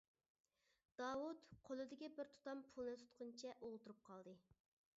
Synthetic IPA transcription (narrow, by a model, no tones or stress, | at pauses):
d̪̥ɑːwut̪qʰolˠɨd̪ɪɡʲibɪɾt̪ʰu̥t̪ɑmpʰulˠnɨt̪ʰu̥t̪̚qʰʊnt͡ʃʰɛʔolˠt̪uɾup̚qʰɑlˠd̪ɨ